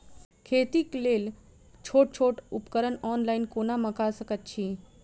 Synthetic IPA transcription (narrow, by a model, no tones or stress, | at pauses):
kʰeːt̪ikleːl | t͡ʃʰoːʈ̚t͡ʃʰoːʈupkəɾənɔːnlaɪnkoːnaməkasəkət̪̚t͡ʃʰi